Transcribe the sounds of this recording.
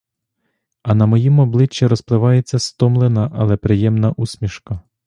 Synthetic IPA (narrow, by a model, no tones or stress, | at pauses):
ɐnɐmɔjimɔblˠɪt͡ʃːɛɾɔsplˠɪʋɑjet͡sʲːɐst̪ɔmlˠenɐʔɐlˠɛpɾɪjɛmnɐʔusʲmʲiʃkɐ